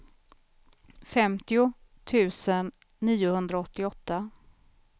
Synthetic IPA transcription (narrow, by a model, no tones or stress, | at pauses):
fɛmt̪ɪʊt̪ʰʉ̟ːsənː | iːʊhɵnd̪ɾaɔt̪ːɪɔt̪ːa